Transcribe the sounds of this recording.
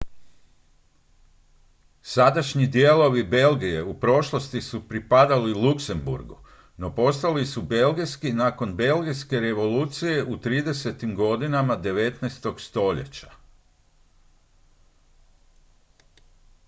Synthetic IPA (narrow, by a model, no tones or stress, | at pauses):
sad̪aʃɲid̪jelˠo̞ʋibe̞lɡije̞upɾo̞ʃlˠost̪isupɾipad̪alilˠukse̞mbṵɾɡu | no̞po̞st̪alisube̞lɡijskinako̞nbe̞lɡijske̞ɾe̞ʋo̞luːt̪sije̞ʔut̪ɾiːd̪e̞se̞t̪imɡo̞d̪inamad̪e̞ʋe̞t̪naest̪o̞ɡst̪o̞ʎḛt͡ɕḁ